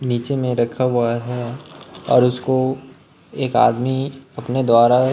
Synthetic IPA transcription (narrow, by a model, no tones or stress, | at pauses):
niːt͡ʃemẽɾɐkʰaɦuaɦɛ | ɔ̰ːɾʊsko | eːka̰ːdmiɐpned̪waːɾa